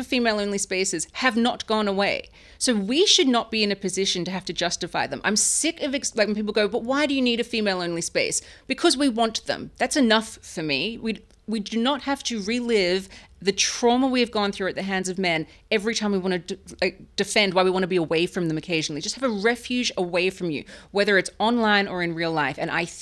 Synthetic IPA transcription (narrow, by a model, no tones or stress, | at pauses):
fimeɪlˠõʊ̃nlispeɪsɨz̥ɨvnət̚ɡ̥ɔ̃nəweɪ | soʊwiʃɨdⁿnət̚b̥iɨ̃nɨpɨzɪʃɨ̃ntɨɦæftɨd͡ʒʌstɨfaɪðə̃mʔã̰ɪ̃msɪkʌvɨkslaɪk̚wnpip̬l̩ˠɡoʊbʌt̚waɪɾɨjɨniɾɨfimeɪlˠõʊ̃nlispeɪsb̥ɨkʰʌzwiwɑ̃nðə̰̃mðætsɨnʌffə˞miwi | widɨnət̚hæftɨɹilɪv | ðɨtʰɹ̥ɑməwiɨvɡɔ̃nθɹʉɨt̪̚ðɨɦæ̃ndzʌvmɛ̃n | ɛvɹitʰãɪ̃mwiwɑ̃ñɨ | d̥ɨfɛ̃nd̚waɪwiwɑ̃nɨbiəweɪfɹʌ̃mðɨ̃mɨkʰeɪʒɨn̩l̩ˠid͡ʒʌst̚hɨvɨɹɛfjʉd͡ʒəweɪfɹʌ̃mjɨ̰wɛðə˞ɨtsɑ̃nlãɪ̃nə˞ɨ̃nɹilˠlaɪfɨ̰̃ñʔa̰ɪ